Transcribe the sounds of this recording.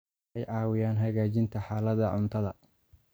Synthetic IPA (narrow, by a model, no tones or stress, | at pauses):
ɛjʕɑːwɪjaːnɦɐɣaːt͡ʃɪnt̪ʰɐħaːlɐðɐʕʊnt̪ʰɐðɐ